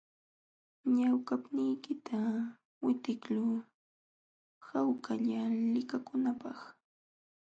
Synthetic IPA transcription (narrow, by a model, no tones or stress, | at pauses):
ɲawkapnɪjkɪt̪ʰa | wɪt̪ɪklʊː | hawkaʎalɪkakʊnapɑχ